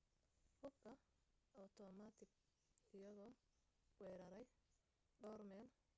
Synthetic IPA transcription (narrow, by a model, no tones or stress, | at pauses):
hʊb̚kʰɐ | ɔt̪ʰɔmat̪ʰɪɡ | ɪjɐɣɔː | wɛːɾɐɾɛj | ɖɔːrmɛːl